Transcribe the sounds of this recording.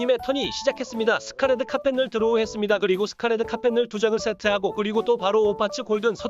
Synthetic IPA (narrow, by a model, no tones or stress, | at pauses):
ime̞tʰʌɲiɕʰid͡ʑakʰe̞s͈ɯmɲidasʰɯ̥kʰaɾedɯkʰapʰe̞nɯɭtɯɾooɦe̞s͈ɯmɲidakɯɾiɡosʰɯ̥kʰaɾe̞dɯkʰapʰe̞nɯɭtud͡ʑaŋɯɭs͈ʰetʰe̞ɦaɡokɯɾiɡot͈opaɾoːpʰat͡ɕʰikoɭdɯnsʰʌ